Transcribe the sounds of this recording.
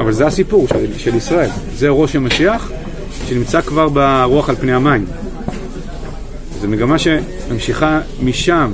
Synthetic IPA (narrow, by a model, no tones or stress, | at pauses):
avalzeasipuʁʃʃelisʁae̞lzeʁo̞ʃhamaʃiaχ | ʃe̞nimt͡sakvaʁbeʁuaχalpneamajim | ezemeɡamaʃe̞ | mamʃiχamiʃam